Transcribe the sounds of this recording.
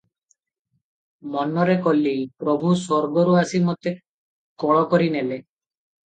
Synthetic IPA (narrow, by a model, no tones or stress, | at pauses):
mɔnɔɾekolːipɾɔbʱusɔɾɡɔɾuasimɔt̪e | kɔɭɔkɔɾinele